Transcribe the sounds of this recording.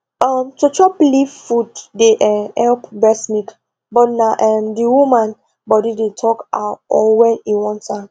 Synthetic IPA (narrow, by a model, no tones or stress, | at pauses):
ɔmtot͡ʃɔplivfuddeʔɛhɛlpbɛsnik | bɔtnaʔɛmdiwumãn | bɔdidetʰɔkatɔwɛ̃niwɔ̃nta